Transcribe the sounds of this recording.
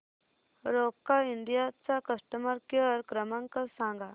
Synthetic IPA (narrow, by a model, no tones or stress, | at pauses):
ɾokːainɖ̪ijat͡sakəsʈəmaɾkəɾkɾəmãŋkəsãŋɡa